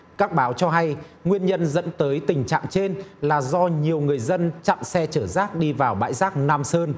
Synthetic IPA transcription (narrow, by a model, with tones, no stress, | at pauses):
kaː˦˥k̚ɓaː˨˦wt͡ɕɔ˧ɦa˧j | ŋwi˧ənɲə˧nzə̰˧˥nt̪əː˨˦jt̪ï˨˩ŋ̟t͡ɕa̰ː˧˨ŋt͡ɕe˧nlaː˨˩zɔ˧ɲi˨˩əwŋɨ˨˩əjzə˧nt͡ɕa̰˧˨msɛ˧t͡ɕəː˧˩zaː˦˥k̚ɗi˧vaː˨˩wɓa̰ː˧˥jzaː˦˥k̚naː˧msəː˧n